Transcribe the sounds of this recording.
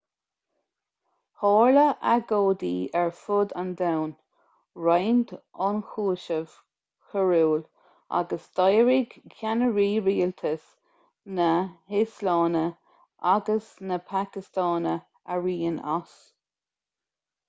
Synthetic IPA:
hɑːɹləʔaɡoːd̪iːɛɹfʊd̪and̪awn | ɹajnd̪ɔnxuːʃəv̥ | kʰəɹuːl | a̰ɡəsd̪̥ɑjɹiɡkʰʲanəɹiːɹiːlt̪ʰəs | nəɪslɑːnə | ʔaɡəsnəpʰakɪst̪ɑːnə | əɹiːəna̰s

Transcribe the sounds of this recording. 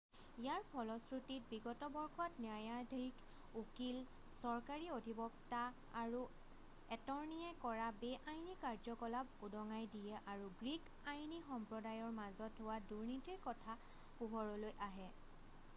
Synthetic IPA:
ijaɹpʰɔlɔsɹutit̚biɡɔtɔbɔɹxʰɔtnjajadʱik | ukil | sɔɹkaɹiodʱibɔk̚ta | aɹu | ɛtɔɹniɛkɔɹabɛʔajnikaɹzɔkɔlabudɔŋajdijɛʔaɹuɡɹik | ajnixɔmpɹɔdajɔɹmazɔtʰːʊwaduɹnitiɹkɔtʰa | puɦɔɹɔlojʔaɦɛ

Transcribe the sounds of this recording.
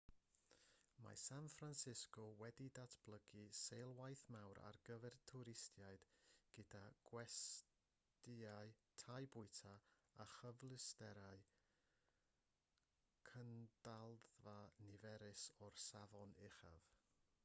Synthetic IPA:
ma̰sanfransɪskɔwɛdidatʰb̥lˠəɡisejlˠwajθmawɾa̰rɡəvɛrtʰuɾɪstʰjajd̥ɡ̥ədaɡ̥wɛs | tɪaɨtʰajbʊɨtʰaaχəvlˠɪstɛɾaɨ | kʰənd̥alˠðvanɪvɛɾɪsɔrsavɔnɪχa̰v̥

